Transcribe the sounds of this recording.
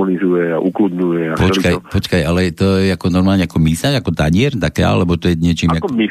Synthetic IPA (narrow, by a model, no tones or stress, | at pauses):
ɔnizujɛaʔuklud̪ɲujɛapɔt͡ʃlikajpɔt͡ʃkajalɛt̪ɔjɛakɔnɔɾmaːlɲɛakɔmisaʒakɔt̪aɲɪɛɾt̪aka̰lɛbɔt̪ɔjɛɲɪɛt͡ʃiːmjakmi